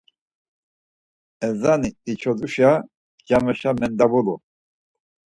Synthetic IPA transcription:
ɛzaniːt͡ʃʰɔd̪uʃa | ɡamɛʃamɛnd̪abulu

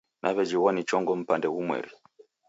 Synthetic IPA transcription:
nʔaβɛd͡ʒiwanit͡ʃɔŋɡɔm̩pandɛɣumwɛ̰ɾi

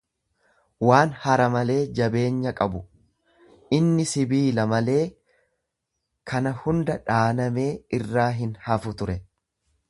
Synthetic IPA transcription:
waːnhɐɾɐmɐle̞ːd͡ʒɐbe̞ːɲːɐkʼɐbʊ | ʔɪnːɪsɪbiːlɐmɐle̞ː | kʰɐnɐhʊnd̪ɐᶑaːnɐme̞ːɪrːaːɦɪnhɐfʊt̪ʊɾɛ

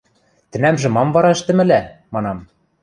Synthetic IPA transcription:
t̪ɘ̆næmʒɘ̆mɑmvɑɾɑɘ̆ʃt̪ɘ̆mɘ̆læmɑnɑm

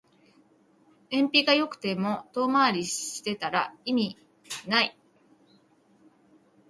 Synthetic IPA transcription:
ẽ̞mpʲiɡajo̞kɯ̟̥t̪e̞mo̞t̪o̞ːmaɾʲiɕi̥t̪e̞t̪aɾaimʲi | nai

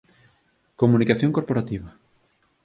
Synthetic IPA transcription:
komunikaθjoŋkoɾpoɾat̪iβɐ

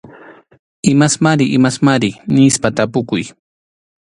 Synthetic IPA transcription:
ɪmasmaɾɪʔɪmasmaɾɪnɪspat̪apʊkʊj

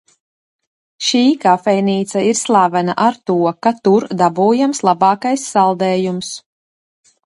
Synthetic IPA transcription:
ʃiːkafɛjniːt̪saiɾslˠavanaʔaɾt̪uɔkat̪uɾd̪abuːjamslˠabɑːkajsːalˠd̪ɛːjums

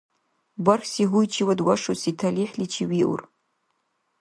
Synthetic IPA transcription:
barxʲsiʁʷujt͡ʃʰiwadwaʂusitʰaliħlit͡ʃʰiwiʔṵr

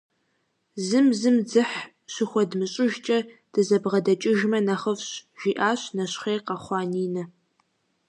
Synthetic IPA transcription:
zɨmzɨmd͡zɨħ | ʃɪxʷɔdmɨɕʼɪʒt͡ʃʼɐd̥ɨzɐbʁɐdɐt͡ʃʼɪʒmɐnɐχəfɕʒ̥iːʔaːɕnɐɕχeːqɑχʷɑːniːnɐ

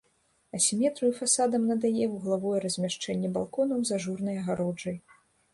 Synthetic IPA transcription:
ɐsʲimʲɛt̪ɾujufasad̪ɐmnɐd̪ajɛuɣlˠavɔjɛrɐzʲmʲaʂt͡ʂɛnʲːɛba̰lˠkɔnɐwzaʐurnɨjɐɣaɾɔd͡ʐɐj

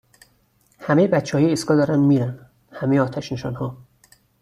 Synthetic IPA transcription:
hæmejebæt̪t͡ʃʰehɒjeːskɒːd̪ɒːɾænd̪miːɾæn | hæmejeɒːt̪ʰæʃneʃɒːnhɒː

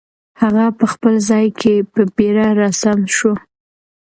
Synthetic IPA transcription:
haɣapəxpəlzɑjkʰepəbeɾaɾasamʃo

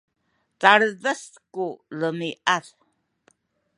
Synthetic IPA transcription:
t͡saɽəðəs | kuləmiʔað

